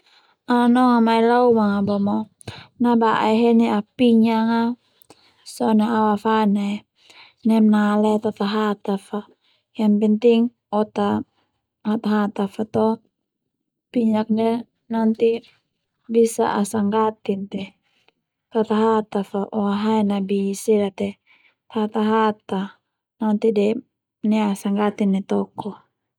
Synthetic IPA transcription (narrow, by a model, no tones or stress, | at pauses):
anɔŋamailaumaŋabɔmɔ | nabaʔaɦeniapiɲaŋa | sɔnaawafane | nɛmnalɛt̪at̪aɦat̪afa | jampɛnt̪iŋ | ɔt̪a | hat̪aɦat̪afat̪ɔ | piɲak̚nɛ | nant̪i | bisa̰ʔasaŋɡat̪int̪ɛ | t̪at̪aɦat̪afaʔɔaɦaɛnabisiɾat̪ɛ | t̪ahat̪aɦat̪a | nant̪idɛ | nɛasaŋɡat̪inːɛt̪ɔkɔ